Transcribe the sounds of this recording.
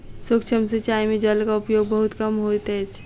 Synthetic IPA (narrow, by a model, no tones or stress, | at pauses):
sokt͡ʃʰəmsət͡ʃaːimed͡ʒəlkaʊpjoːɡ̚bəɦʊt̪kəmɦot̪ɦɛt͡ʃʰ